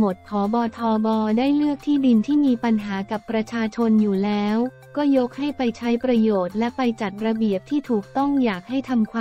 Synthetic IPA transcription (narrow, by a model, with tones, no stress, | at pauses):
mo˨˩t̪̚pʰɔː˩˦bɔː˧t̪ʰɔː˧bɔː˧daː˥˩jlɯ˥˩ək̚t̪ʰiː˥˩di˧nt̪ʰiː˥˩miː˧pa˧nɦaː˩˦ka˨˩pːɾa˧t͡ɕʰaː˧t͡ɕʰo˧njuː˨˩lɛː˦˥w | kɔː˥˩jo˦˥k̚ha˥˩jpa˧jt͡ɕʰa˦˥jpɾa˧joː˨˩t̪̚lɛ˦˥pa˧jt͡ɕa˨˩t̪̚ɾa˧bi˨˩əp̚t̪ʰiː˥˩t̪ʰuː˨˩k̚t̪ɔ˥˩ŋjaː˨˩k̚ha˥˩jt̪ʰa˧mkʰwaː˧